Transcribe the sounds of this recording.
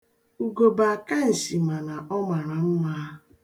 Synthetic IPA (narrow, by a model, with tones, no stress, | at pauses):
u˨ɡo˨ba˨a˨ka˦n̩˨si˨ma˨ɾa˨ʔɔ˦ma˨ɾa˨m̩˦ma˦